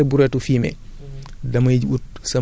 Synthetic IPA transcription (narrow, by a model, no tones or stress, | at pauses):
ɛbuɾɛtufiːmɛ̰ | dɐmɐjɟut̚sɐ